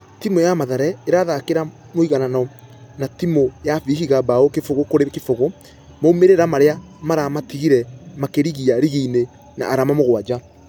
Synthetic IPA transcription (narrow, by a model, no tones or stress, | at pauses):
timojamaðaɾɛeɾaðakeɾa | moiɣananɔ | natimojafiɦiɣabaokefoɣokoɾekefoɣo | moumeɾeɾamaɾea | maɾamatiɣiɾɛmakeɾiɣiaɾiɣiine | na̰ʔːɾamamoɣwad͡ʒa